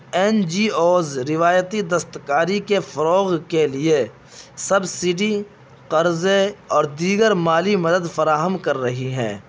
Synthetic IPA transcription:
ɛːnd͡ʒiːoːzɾɪʋaːjət̪id̪əst̪kaːɾikefɐɾɔːɣkelie | sɐbsɪɖi | qɐɾzeɔːɾd̪iːɡəɾmaːlimɐd̪əd̪fɐɾaːɦəmkɐɾːɐɦiɦɛ̰̃ː

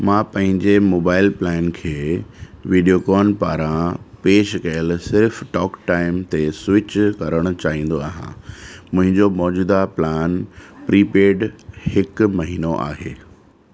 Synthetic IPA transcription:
mãːpɐ̃ɦɪ̃ɲd͡ʑemoːbaːɪlplɛːnkʰeːʋiːɖijokɔːnpaːɾãpeːʃkɐjəlsɪɾfʈɔːkʈaːɪmt̪eswɪt͡ɕkɐɾəɽ̃ʊ̆t͡ɕaːɦĩːn̆d̪oa̰ːɦã̰mʊ̃ɦɪ̃ɲd͡ʑomɔːd͡ʑuːd̪aplaːnpɾiːpeːɖhɪkmɐɦiːnoʔa̰ːɦeː

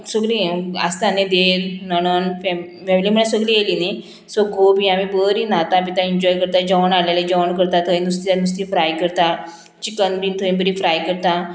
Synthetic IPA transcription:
səɡlia̰st̪aned̪eɾnəɽ̃ənfɛ | fɛmiliːm̤əɳesəɡliːelini | sɔɡobiamibəɾiːnat̪ãpit̪ãiɲd͡ʑɔjkəɾt̪ad͡ʑɔɳaleled͡ʑɔʋɳkəɾt̪at̪ʰəj̃nust̪ianus̬t̪ifɾajkəɾt̪a | t͡ɕikənbiːnt̪ʰəĩnbəɾifɾajkəɾt̪a

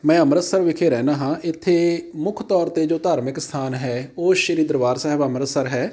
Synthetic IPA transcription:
mɛ̃ːəmɾəsəɾʋɪkʰeːɾɛːnaːɦãːʔɪt̪ʰːeːmʊkʰt̪ɔːɾt̪eːd͡ʒoːt̪aːɾmɪkst̪ʰaːnɦɛːoːʃəɾiːd̪ɾəʋaːɾsəɦəbəmɾəsəɾɦɛː

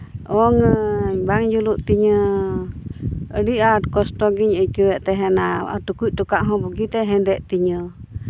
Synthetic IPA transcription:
oŋə̃ɲbaŋjuluʔt̪iɲə̃ | ɾiaɾkost̪oɡiɲəkiβeʔt̪eɦẽnãa̰t̪ukʷiʔt̪ukaʔɦõbuɡit̪eɦẽnd̪eʔt̪iɲə̃

